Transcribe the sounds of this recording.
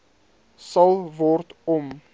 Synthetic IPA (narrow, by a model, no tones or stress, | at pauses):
sɐlˠvɔrtɔm